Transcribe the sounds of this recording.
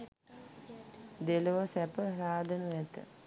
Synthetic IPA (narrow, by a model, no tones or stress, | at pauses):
d̪eloʋəsæpəsaːd̪ʱənuʋɛt̪ə̰